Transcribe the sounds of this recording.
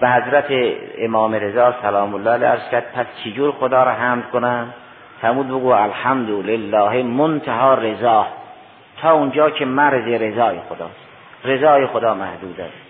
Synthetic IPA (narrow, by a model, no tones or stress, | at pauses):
behæzɾæt̪ʰeemɒːmeɾezɑːsælɒːmolːɑːæliæ̰ɾz̥kʲæɾd̪̥̚pʰæst͡ʃʰed͡ʒuːɾxod̪ɒːɾɒɦæmlkonæm | fæɾmuːd̪̚beɡuːælħamd̪olelːɒːɦemont̪ʰæɦɒːɾezɑːh | t̪ʰɒːʊnd͡ʒɒːkʰemæɾzeɾezɒːjexod̪ɒ̰ːst̪ | ɾezɒːjexod̪ɒːmæhd̪uːd̪æ̰st̪